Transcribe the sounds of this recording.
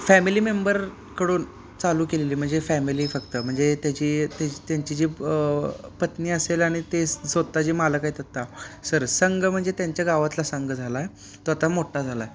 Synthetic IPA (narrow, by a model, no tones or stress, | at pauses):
fɛmiliːmembəɾ | kəɽuːn | t͡saluːkeleliːm̤əɳd͡zefɛmiliːfəkt̪əm̤əɳd͡zet̪jat͡ɕiːt̪jat̪jaɲt͡ɕid͡ʑiː | pət̪niːəselaɽ̃it̪esʋət̪ːad͡ʑiːmaləkaiːt̪ət̪asəɾsəŋɡm̤əɳd͡zet̪jaɲt͡ɕjaɡaʋat̪lasəŋɡd͡zʱalaj | t̪oat̪amoʈad͡zʱalaj